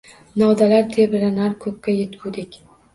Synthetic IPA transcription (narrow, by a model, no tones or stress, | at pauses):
nawd̪alaɾt̪ʰebɪɾanaɾkʰɵp̚kʲajet̪kʰud̪ekʲ